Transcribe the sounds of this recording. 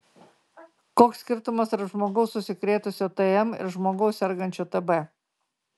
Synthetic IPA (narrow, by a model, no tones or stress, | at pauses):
koːksʲkʲɪɾt̪ʊmɐsɾɐʒmoːɡɐʊsːʊsʲɪkɾʲeːt̪ʊsʲot̪ɛɛmɪ̰ɾʒmoːɡɐʊssʲɛɾɡɐnʲt͡ʃʲut̪ɛbɛ